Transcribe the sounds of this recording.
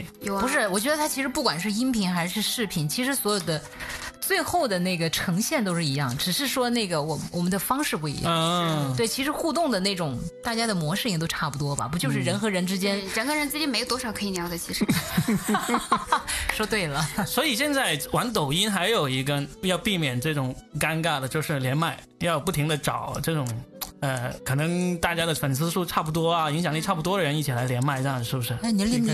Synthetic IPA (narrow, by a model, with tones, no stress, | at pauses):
pu˧˥ʂɻ̩˥˩wɔ˨˩t͡ɕɥɛ˧˥d̪ə˧t̪ʰa˥t͡ɕʰi˧˥ʂɻ̩˧˥pu˥˩kwa˨˩nʂɻ̩˥˧i˥npʰi˧˥ŋxa˧˥ɪʂɻ̩˥˧ʂɻ̩˥˩pʰi˨˩nt͡ɕʰi˧˥ʂɻ̩˧˥swɔ˧˥jo˨˩ʊd̪ə˦ | t͡swe˥˧ɪxo˥˩ʊd̪ə˩ne˥˩ɡə˩ʈ͡ʂʰɤ˧˥ŋɕjɛ˥˩nt̪̬o˥ʊʂɻ̩˥˩i˧˥jɑ̰˥˩ŋʈ͡ʂɻ̩˨˩ʂɻ̩˥˩ʂwɔ˥ne˥˩ɡə˩wɔ˨˩wɔ˨˩mə˦nd̪ə˧fɑ˥ŋʂɻ̩˥˧pu˥˩ḭ˧˥jt̪we˥˩ɪt͡ɕʰi˧˥ʂɻ̩˧˥xu˥˧t̪̬ʊ˥˩ŋd̪ə˩ne˥˩ɪʈ͡ʂʊ˨˩ŋt̪a˥˩t͡ɕja˥d̪ə˨mwɔ˧˥ʂɻ̩˥˩i˥˩t̪o˥ʊʈ͡ʂʰa˥˩pu˨˩t̪wɔ˥bɐ̰˨p̬t͡ɕjo˥˧ʂɻ̩˥˩ɻə˧˥nxɤ˧˥ɻə˧˥nʈ͡ʂɻ̩˥t͡ɕjɛ˥nɻə˧˥nxɤ˧˥ɻə˧˥nʈ͡ʂɻ̩˥t͡ɕjɛ˥nm˧˥jt̪ɔ˥ʂɑ˨˩ʊkʰɤ˧˥i˧˩njɑ˧˥ʊə˧˩t͡ɕʰi˧˥ʂɻ̩˧ | ʂɔ˥t̪we˥˩ɪlə˩swɔ˧˥i˨˩ɕjɛ˥˧nt͡sa˥˩ɪwa˧˥nt̪o˨˩ʊi˥nxa˧˥ɪjo˨˩ʊi˧˥ɡə˧jɑ˥˧ʊpi˥˩mjɛ˨˩nʈ͡ʂɤ˥˩ʈ͡ʂʊ˨˩ŋka˥nka˥˩lə˩t͡ɕjo˥˧ʊʂɻ̩˥˩ljɛ˧˥nma˥˩ɪ | jɑ˥˧ʊpu˥˩t̪ʰi˧˥ŋd̪ə˧ʈ͡ʂɑ˨˩˦ʊʈ͡ʂɤ˥˩ʈ͡ʂʊ˨˩ŋə˧˩kʰɤ˨˩nɤ˧˥ŋt̪a˥˩t͡ɕja˥d̪ə˨˩fə˨˩nsʰɹ̩˥˧ʂu˥˧ʈ͡ʂʰa˥˩p̬u˥˩t̪̬wɔ˥ɐ˨i˧˥ŋɕ̬jɑ˨˩ŋli˥˧ʈ͡ʂʰpu˩t̪wɔ˥d̪ə˨ɻə˧˥ni˥˩t͡ɕʰi˨˩la˧˥ɪljɛ˧˥nma˥˧ɪʈ͡ʂə˥˧jŋ˩ʂɻ̩˥˩bʂɻ̩˥˩˥n˧˥l